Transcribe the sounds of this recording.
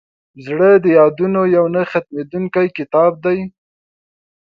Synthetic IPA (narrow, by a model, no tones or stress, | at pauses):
zɽəd̪əjɑd̪unojawnaxat̪̚med̪uŋkajkɪt̪ɑb̚d̪aj